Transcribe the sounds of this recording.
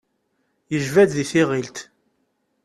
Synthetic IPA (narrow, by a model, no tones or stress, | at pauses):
jəʒvæd̪ðiθɪʁilt̪